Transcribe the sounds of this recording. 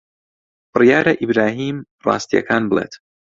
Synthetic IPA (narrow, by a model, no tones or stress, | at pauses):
bɨrijaːɾɐʔibɾaːɦiːm | rɑ̰ːst̪ijɐ̰kʰaːnbəlˠeːt̪